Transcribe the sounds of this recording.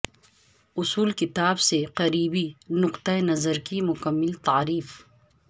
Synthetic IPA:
ʊsuːlkɪt̪aːbseqɐɾiːbinʊqt̪aenɐzəɾkimʊkɐmːɪlt̪aːɾiːf

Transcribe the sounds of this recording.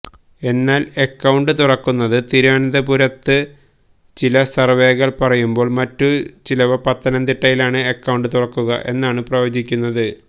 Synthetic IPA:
e̞nːaːle̞kːɐwɳɖɨt̪urɐkːunːɐðɨt̪iɾaːnɐd̪ɐpuɾɐt̪ːɨ | t͡ɕilɐsɐrʋe̞ːɣɐɭpɐrɐjumbo̞ːɭmɐtːut͡ɕilɐʋɐpɐt̪ːɐnɐmt̪iʈːɐjilaːɳɨekːɐwɳɖɨt̪urɐkːuɣɐ̰ʔe̞nːaːɳɨprɐjo̞ːd͡ʑikʲːunːɐðɨ

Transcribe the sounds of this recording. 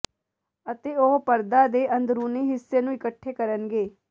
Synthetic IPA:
ət̪eːoɦpəɾd̪aːd̪eːʔə̃nd̪ɾuːneːɦɪsːeːnũːɪkəʈʰːeːkəɾənɡeː

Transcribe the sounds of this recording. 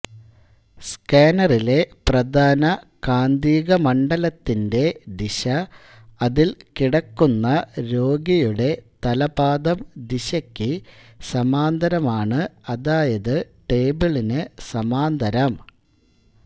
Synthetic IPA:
skaːnɐrile̞prɐd̪ʱaːnɐ | kaːnd̪iːɣɐmɐɳɖɐlɐt̪ːinde̞d̪iɕɐ | ɐðilkiɽɐkːunːɐɾo̞ːɡɐjuɽe̞t̪ɐlɐbaːd̪ɐmd̪iɕɐkʲːɨsɐmaːnd̪ʱɐɾɐmaːɳɨɐðaːjɐðɨ | ʈe̞ːbɨɭinɨsɐmaːnd̪ʱɐɾɐm

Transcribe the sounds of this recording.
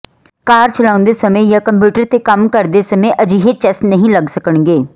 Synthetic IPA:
kaːɾt͡ʃəlaːʊ̃nd̪eːsəmẽːjaːkəmpjuːʈəɾt̪eːkəmkəɾd̪eːsəmẽːʔəd͡ʒiːɦet͡ʃɛsnəɦĩːləɡsəkəɳɡeː

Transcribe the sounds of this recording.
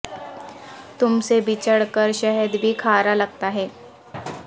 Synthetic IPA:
t̪ʊmsebʱit͡ʃəɽkəɾʃɛɦəd̪bʱikʰaːɾaləɡ̚t̪aɦɛː

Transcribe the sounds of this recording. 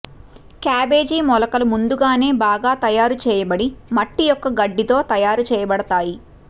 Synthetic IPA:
kaːbeːd͡ʒiːmɔlɐkɐlɐmund̪uɡaːne̞ːbaːɡaːt̪ɐjaːɾut͡ʃɛːjɐbɐɽimɐʈːijɔkːɐɡɐɖːit̪o̞ːt̪ɐjaːɾut͡ʃɛːjɐbɐɽɐt̪aːji

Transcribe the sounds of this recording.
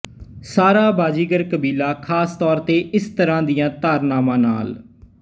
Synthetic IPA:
saːɾaːbaːd͡ʒiːɡəɾkəbiːlaːkʰaːst̪ɔːɾt̪eːʔɪst̪əɾãːd̪ijãːt̪aːɾnaːmãːna̰ːl

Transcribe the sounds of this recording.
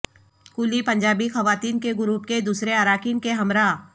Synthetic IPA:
kuːlipɐ̃ɲd͡ʒaːbixɐʋaːt̪iːnkeɡʊɾuːp̚ked̪uːsɾeaɾaːkiːnkeɦɐmɾaː

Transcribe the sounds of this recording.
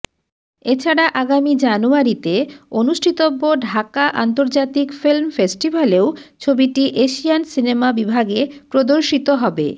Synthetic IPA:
et͡ɕʰaɽaʔaɡamid͡ʑanuaɾit̪eonuʃʈʰit̪obːoɖʱakaʔant̪oɾd͡ʑat̪ikfilmfesʈibʱaleot͡ɕʰobiʈiʔeʃiansinemabibʱaɡepɾod̪oɾʃit̪oɦɔbḛ

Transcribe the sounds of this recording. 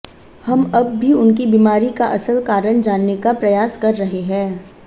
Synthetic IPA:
hɐmɐbːʱiʊnk̬ibiːmaːɾikaʔɐsəlkaːɾəɳd͡ʒaːnːekapɾɐjaːskɐɾːɐɦeɦɛ̃ː

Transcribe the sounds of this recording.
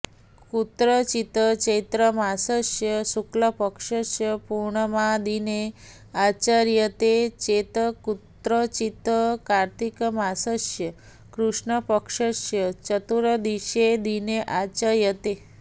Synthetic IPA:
kut̪ɾət͡ʃit̪ət͡ʃet̪ɾəmasəʃjəsukləpəkʂəʃjəpuɾɳəmãd̪ine | at͡ʃaɾjət̪et͡ʃet̪əkut̪ɾət͡ʃit̪əkaɾt̪ikmasəʃjə | kɾuʂɳəpəkʂəʃjət͡ʃət̪uɾəd̪iʃed̪ineʔat͡ʃaɾjət̪e

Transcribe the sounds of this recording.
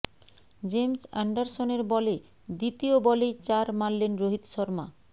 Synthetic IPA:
d͡ʑemsa̰ɳɖaɾsoneɾbɔle | d̪it̪iobɔlet͡ɕaɾmalːenɾoɦit̪ʃɔɾma̰

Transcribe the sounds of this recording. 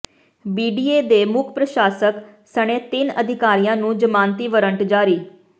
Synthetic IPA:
biːɖiːeːd̪eːmʊkʰpɾəʃaːsəksəɽ̃ẽːt̪ɪnəd̪ʱɪkaːɾijãːnũːd͡ʒəmãːnt̪iːʋəɾəɳʈd͡ʒaːɾiː

